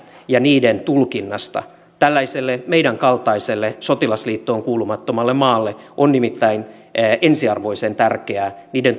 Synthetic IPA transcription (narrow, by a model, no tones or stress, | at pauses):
jɑniːdent̪ulkinːɑst̪ɑ̰ | t̪ælːæiselːemeijdæŋkɑlt̪ɑiselːeso̞t̪ilɑsliːt̪ːoːŋkuːlumɑt̪ːomɑlːemɑːlːeʔonnimit̪ːæin | ʔensiɑrʋo̞isent̪ærkeæːniːden